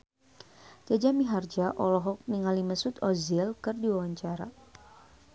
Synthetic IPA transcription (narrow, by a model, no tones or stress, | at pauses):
d͡ʒad͡ʒamiɦard͡ʒaʔɔlɔɦɔk̚niŋaliməsut̪ɔzilkɨrdiwawaɲt͡ʃaɾa̰